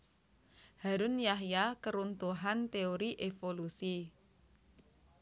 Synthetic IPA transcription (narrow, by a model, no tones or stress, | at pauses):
haɾunjaɦjakəɾunt̪uɦant̪eoɾiʔefolusi